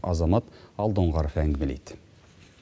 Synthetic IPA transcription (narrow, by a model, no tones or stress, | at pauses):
ɑzɑmɑt̪ɑlˠd̪oɴʁɑɾfæŋɡmɘlḭt̪